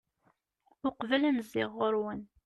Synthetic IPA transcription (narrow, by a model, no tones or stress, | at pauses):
ʊqvælænzɪ̰ʁːʊɾwən